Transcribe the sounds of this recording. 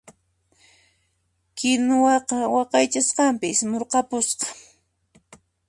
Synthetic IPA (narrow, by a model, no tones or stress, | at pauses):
kɪnwɑqɑwɑqɑjt͡ʃasqɑmpɪsmoɾqɑpʊsqɑ̥